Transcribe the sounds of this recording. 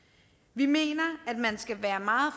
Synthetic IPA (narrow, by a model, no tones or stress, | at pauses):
ʋime̝̰ːnɐæd̥mænsɡ̥æʋæːɐmɑ̈ːð̩ˠf